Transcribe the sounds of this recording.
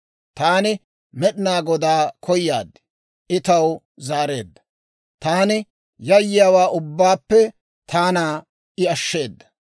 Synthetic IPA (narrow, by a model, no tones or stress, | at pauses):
t̪aːnɪ | mɛɗɪnaːɡɔd̪aːkʰɔjja̰ːd̪ːɪ̥ | ʔɪt̪ɐw | zaːɾe̞̰ːd̪ːɐ̥ | t̪aːnɪ | jɐjːɪjaːwaːʔʊbːaːpːɛ | t̪ʰaːnaː | ʔɪɐʃːe̞ːd̪ːɐ̥